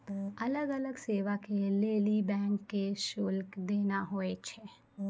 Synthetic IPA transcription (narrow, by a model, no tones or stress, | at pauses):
ɐləɡələɡseːʋakeleːlibɛ̃ːŋkːeʃʊlkd̪eːnaɦoːet͡ʃʰe